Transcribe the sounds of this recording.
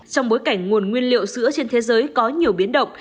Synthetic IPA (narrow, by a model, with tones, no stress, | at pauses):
t͡ɕɔ˧wŋ͡mɓo˨˦jka˧˩ŋ̟ŋu˨˩ənŋwi˧ənlḭ˧˨əwsɨ̰˧˥ət͡ɕe˧nt̪ʰe˨˦zəː˨˦jkɔ˨˦ɲi˨˩əwɓi˨˦ənɗə̰˧˨wŋ͡m